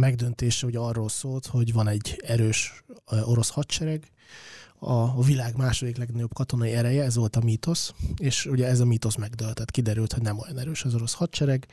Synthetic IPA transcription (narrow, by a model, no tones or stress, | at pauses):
mɛɡd̪ønt̪eːʃɛuɟɛɒrːoːlsoːlt̪ho̞ɟvɒnɛɟːɛɾøːʃo̞ɾo̞shɒt̪t͡ʃɛɾɛɡ | ɒvilaːɡmaːʃo̞d̪iklɛɡnɒɟo̞bkɒt̪o̞nɒiɛɾɛjɛɛzʋo̞lt̪ɒmit̪o̞seːʃuɟɛɛzɒmiːt̪o̞smɛɡd̪ølt̪ɛt̪kid̪ɛɾylt̪hoɟnɛmo̞jɒnɛɾøːʃɒzo̞ɾo̞shɒt̪t͡ʃɛɾɛɡ